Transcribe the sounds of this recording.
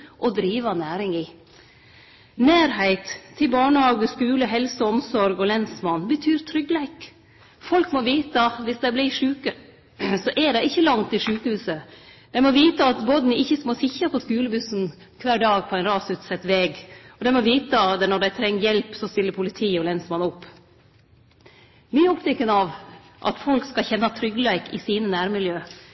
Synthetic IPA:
ʔɔd̪ɾiːʋɑnæːɾɪŋɪ | næːɾhæɪt̪ʰːɪlbɑːɳəhɑːɡəskʉːləɦɛlsəɔmsɔɾɡɔlɛnsmɑnbət̪ʰyːɾt̪ʰɾʏɡlæɪk | fɔlkmɔʋiːt̪əɑt̪ʋɪsd̪æɪblɪʂʉːkə | sɔʔɛɖɛɪɪçːəlɑŋt̪ɪʂʉːkəhʉːsəd̪̥æɪmɔʋiːt̪əɑt̪bɔd̪nɪɪçːəsmoːsɪçɑpʰɔskʉːləbʉsn̩ | kʰʋæːɖɑːɡ̚pʰɔæɪnɾɑːsʉt̪sɛt̪ːʋɛːɡɔd̪ɛɪmɔʋiːt̪əd̪ɛnɔɖæɪt̪ʰɾɛŋːəjɛlpsɔst̪ɪlːəɾpʰʊlɪt̪ʰiːɔlɛnsəmɑnʊpː | miːɔpt̪ʰɛkːənɑʋ | ʔɑ̰t̪fɔlkskɑçɛnːɑt̪ʰɾʏɡːlæɪkɪ̰siːnənæːɾmɪljøː

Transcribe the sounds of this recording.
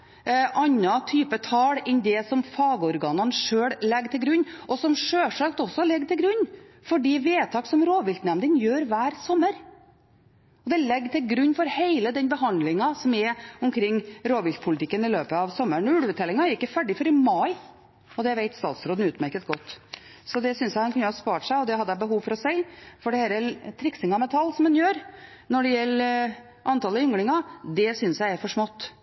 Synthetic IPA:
ʔɑnːɑt̪ʰyːpət̪ʰɑːɽɛnd̪ɛsɔmfɑːɡəɔɾɡɑːnənʂøːɽlɛɡːt̪ʰɪlɡɾʉnːʔɔsɔmʂøːʂɑkt̪ɔsːɔlɛɡːt̪ʰɪlɡɾʉɲː | fɔɖiːʋeːt̪ʰɑːksɔmɾoːʋɪlt̪nɛmd̪ənjøːɾʋæːɾsɔmːəɾ | ɔd̪ɛlɛɡːt̪ʰɪlɡɾʉnːfɔɾheɪləd̪ɛnbəɦɑnd̪lɪŋɑsɔmɛʊmkʰɾɪŋːɾoːʋɪkpʰʊlɪt̪ʰɪkːənɪløːpəɑʋsɔmːəɳʉɽəʋət̪ʰɛlɪŋɑɛɾɪkːəfæɖɪfɔɾɪmɑɪ | ɔd̪ɛʋeɪt̪st̪ɑ̰ːt̪sɾoːd̪n̩ʉːt̪mæɾkət̪ɡɔt̪ːsɔd̪ɛsʏnsjæɪhɑnkʉnːəhɑspɑːʈʂæɪɔd̪ɛhɑd̪ːæbəɦuːʋfɔɾɔsæɪfɔɖɛhɛɾɛlt̪ʰɾɪksɪŋɑmɛt̪ʰɑlːsɔmɛnjøːɾ | nɔɖɛjɛlː | ʔɑnt̪ʰɑːləʏŋlɪŋɑd̪ɛsʏnsjæɪæɾfɔʂmɔt̪ː

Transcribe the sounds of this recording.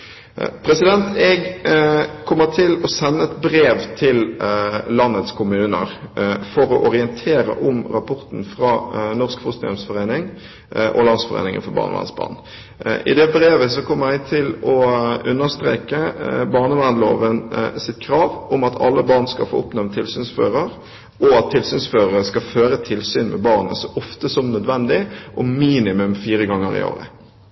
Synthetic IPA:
pʰɾɛsɪd̪ɛnt̪ɛɡ | kʰɔmːət̪ʰɪlɔsɛnːəɛt̪bɾeːʋt̪ʰɪllɑnːət̪skʰʊmʉːnə̰ɾfɔɾɔʔɔʁɪənt̪ʰeːɾə̰ʔɔmɾɑpʰɔɾt̪n̩fɾɑnɔskfʊst̪nɪɔmsfɔʁeːnɪŋ | ʔɔ̰lɑnsfɔʁḛːnɪŋə̰nfɔbɑ̰ːʁnəʋæ̰ʁnsb̥ɑ̰ːʁn | ʔɪ̰d̪ɛbɾeːʋəsɔkʰɔmːəɾɛɡ̚t̪ʰɪlɔʉnːəʁst̪ɾḛːkəbɑːʁnəʋæʁnlo̰ːʋənsɪt̪kʰɾɑːʋʊmɑt̪ʰɑ̰lːəbɑːʁnskɑ̰fo̰ːʊpnɛʋnt̪ʰɪlsyːnsføːʁəɾ | ʔɔɑt̪ʰːɪlsyːnsføːʁəɾəskɑføːɾət̪ʰɪlsyːnmʔɛ̰bɑːʁnəsɔʔɔft̪əsɔmnœd̪ʋɛnd̪ɪʔɔmiːnɪmʉmfiːɾəɡɑŋːəɾɪ̰o̰ːʁə̰

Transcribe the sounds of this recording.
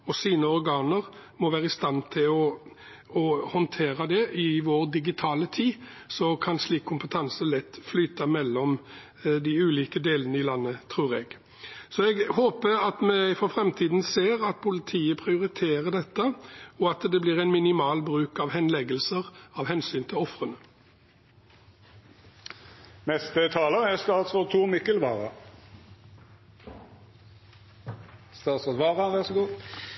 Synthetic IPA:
ɔsiːnəɔɾɡɑːnəɾ | mɔʋæːɾəɪst̪ɑnt̪ʰɪlɔ | ɔhɔnt̪ʰeːɾəd̪ɛʔɪʋoːɾd̪ɪɡɪt̪ʰɑːlət̪ʰiː | sɔkʰɑnsliːkʰːʊmpət̪ʰɑnsəlɛt̪ːflyːt̪ɑmɛlːɔm | d̪ɪʉːliːkəd̪eːlənəɪlɑnːət̪ʰɾuːɾɛɡ | sɔɛɡhoːpəɑt̪mɛfɔɾfɾɛmt̪ʰiːd̪n̩seːɾɑt̪̚pʰʊlɪt̪ʰiːəpʰɾɪʊɾɪt̪ʰeːɾəɖ̪ɛt̪ːəɔɑt̪d̪ɛbliːʁɛɪnmɪnɪmɑːlbʁʉːkɑʋhɛnlɛɡəlsəʁɑʋɦɛnsyːnt̪ʰɪlɔfʁənə | nɛst̪ət̪ʰɑːləæst̪ɑːt̪sɔt̪ʰuːmɪkəlʋɑ̰ːʁɑ̰ | st̪ɑːt̪sod̪ʋɑːʁɑʋæʁsɔɡuː

